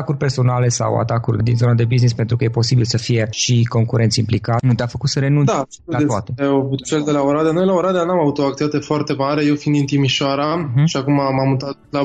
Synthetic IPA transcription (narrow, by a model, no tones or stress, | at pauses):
akurʲpe̞rso̞nale̞sa̰wa̰t̪akurʲd̪inzo̞nad̪e̞biznispent̪ɾukəje̞po̞sibilsəfije̞ʃiko̞ŋkuɾʔe̞nt̪sʲimplikanut̪eafəkut̪səɾe̞nund̪asulat̪at̪evut̪t͡ʃeld̪elaoɾad̪anojlaoɾad̪eanamavut̪oak̚t̪iat̪efoart̪e̞maɾe̞jewfind̪int̪imiʃoaɾaʃiakumamamut̪at̪la